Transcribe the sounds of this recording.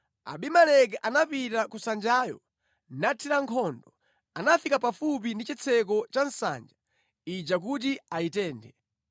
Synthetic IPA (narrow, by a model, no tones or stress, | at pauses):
a̰ɓimalɛk̬ɛʔanapitakusand͡ʒaːjɔ̰ | natʰiɾaŋkʰɔndɔ | anafikapafup̬indit͡ʃit͡sʰɛk̬ɔt͡ʃan̩sa̰nd͡ʒa | id͡ʒak̬ut̬iaitɛːndɛ